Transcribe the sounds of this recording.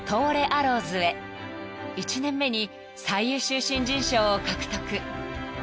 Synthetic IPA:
t̪ʰo̞ːɾe̞ʔaɾo̞ːzɨe̞ | it͡ɕinẽ̞mːe̞ɲ̟i | saijɯːɕɨːɕĩɲ̟d͡ʑĩɰ̃ɕo̞ːkakɯ̟̥t̪okɯ̟

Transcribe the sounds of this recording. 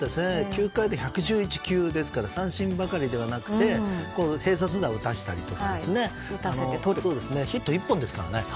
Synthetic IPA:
esɨne̞kʲɨːkaid̪eçakɯ̟ʑɨːit͡ɕi̥kʲɨːd̪e̞sɨ̥kaɾasãɰ̃ɕĩmbakaɾʲid̪e̞βanakɯ̟̥t̪e̞ko̞ːhe̞ːs̬at͡sɨd̪aɯ̟t̪aɕi̥t̪a̰ɾʲit̪o̞kadesɨne̞ | anoso̞ːd̪e̞sɨne̞çit̪ːo̞ipːõ̞nd̪e̞sɨ̥kaɾa̰ne

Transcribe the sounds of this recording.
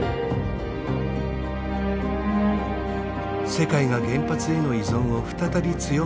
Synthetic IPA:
se̞kaiɡaɡẽ̞mpat͡sɨe̞no̞izõ̞ɰ̃o̞ɸɯ̟̥t̪at̪abʲit͡sɨjo

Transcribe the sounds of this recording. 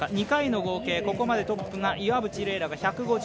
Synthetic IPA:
aɲ̟ikaino̞ɡo̞ːke̞ːko̞ko̞mad̪e̞t̪o̞pːɯ̟ŋaʔiβabɯ̟t͡ɕiɾe̞ːɾaɡaçakɯ̟ɡo̞

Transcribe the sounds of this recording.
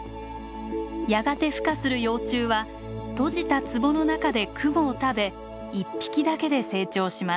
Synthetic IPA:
jaɡat̪e̞ɸɯ̥kasɨɾɯ̟jo̞ːt͡ɕɨːβa | t̪o̞ʑit̪at͡sɨbo̞nonakad̪e̞kʰɯ̟moːt̪abe̞ | ipʲːi̥kʲid̪ake̞d̪e̞se̞ːt͡ɕo̞ːɕima

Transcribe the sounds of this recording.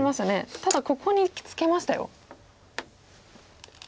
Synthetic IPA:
imasne̞t̪ad̪ako̞kʰo̞ɲ̟ikʲi̥t͡sɨ̥ke̞maɕi̥t̪a̰jo̰

